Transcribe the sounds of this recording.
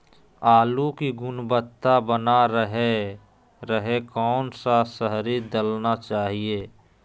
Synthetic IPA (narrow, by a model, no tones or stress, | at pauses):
aːlukiɡʊnbət̪ːabənaɾəɦe | ɾəɦekɔːnsasəɦɾid̪əlnat͡ʃaːɦieː